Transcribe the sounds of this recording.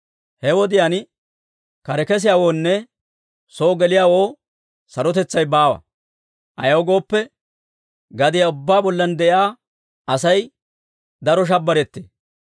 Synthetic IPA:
hɛwɔd̪ɪjan | kɐɾɛkɛs̬ɪjaːwoːnːɛ | soːɡɛlɪjaːwoː | sɐɾɔt̪ɛt͡sːɐjbaːwɐ̰ | ʔɐ̰jɐwɡo̞ːpːɛ | ɡɐd̪ɪjaʊbːaːbɔlːɐnd̪ɛʔjaː | ɐsɐj | d̪ɐɾɔʃ̬ɐbːɐɾɛt̪ːḛː

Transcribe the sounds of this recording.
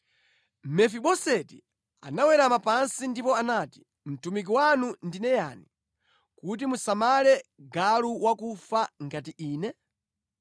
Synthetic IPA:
mɛfiɓɔsɛti | a̰nawɛɾamapansindipɔanati̥ | m̩tumik̬iwanundinɛjani | kut̬imusamalɛɡaluwakufaŋɡatiʔiːnɛ

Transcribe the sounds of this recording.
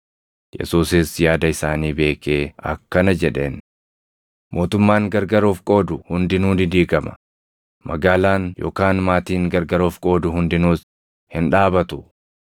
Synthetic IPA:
jɛ̰suːsɪsjaːd̪ɐɪsaːniːbe̞ːke̞ːɐ̰kːɐnɐd͡ʒɛᶑe̞ːn | mʔo̞ːt̪ʊmːaːŋɡɐɾɡɐɾoːfkʼo̞ːd̪ʊhʊnd̪ɪnuːdɪd̪iːkɐmɐ̥̰ | mɐɡaːlaːnjo̞̰ːkaːnmaːt̪iːŋɡɐɾɡɐɾo̞ːfkʼo̞ːd̪ʊɦʊnd̪ɪnuːs | hɪnᶑaːbɐt̪ʊ

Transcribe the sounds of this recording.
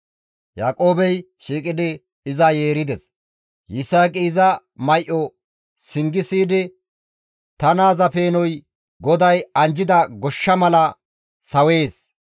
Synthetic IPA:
jaːkʼo̞ːbɛj | ʃiːkʼɪd̪ɪ | ɪzɐje̞ːɾɪd̪ɛs | jɪsaːkʼiːzɐ | mɐjʔɔ | sɪŋɡɪsiːd̪ɪ | t̪ɐnaːzɐpe̞ːnɔj | ɡɔd̪ɐjɐnd͡ʒɪd̪ɐɡɔʃːɐmɐlɐ | sɐwe̞ːs

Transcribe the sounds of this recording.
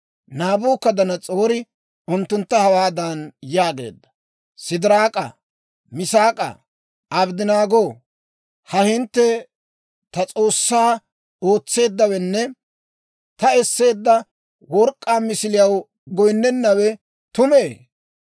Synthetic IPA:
naːbuːkːɐd̪ɐnɐt͡sʼo̞ːɾɪ | ʊnt̪ːʊnt̪ːɐhɐwaːd̪ɐnjaːɡe̞̰ːd̪ːɐ̥ | sɪd̪ɪɾaːkʼɐ̰ | mɪsaːkʼɐ̰ | ʔɐbd̪ɪnaːɡo̞ː | hɐhɪnt̪ːɛ | t̪ɐt͡sʼo̞ːsːaː | oːt͡sːe̞ːd̪ːɐwɛnːɛ | t̪ɐɛsːe̞ːd̪ːɐ | wɔɾkʼːaːmɪsɪlɪjɐw | ɡɔjnːɛnːɐwɛ | t̪ʊmeː

